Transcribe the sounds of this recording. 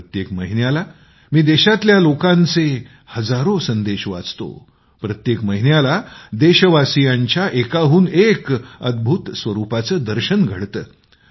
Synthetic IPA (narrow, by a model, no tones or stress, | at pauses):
ət̪jekməɦinjala | miːd̪eɕat̪ljalokãnt͡se | həd͡zaɾosənd̪eɕʋa̰d͡zt̪o̰ | pɾət̪jekməɦinjalad̪eɕəʋasijaɲt͡ɕjaʔekaɦuːnekəd̪̚bʱut̪sʋəɾupat͡səːd̪əɾɕənɡʱə̰ɽt̪əː